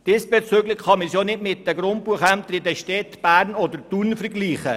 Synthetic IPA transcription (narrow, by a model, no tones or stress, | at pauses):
d̥ɪsb̥ɛt͡søɡlɪχχɑməsjonɪtmɪt̚ːəɡɾʊntpuːəχænt̪əɾɪdəʃtɛt̪b̥æːɾnod̪əɾtunfəɾɡliːχə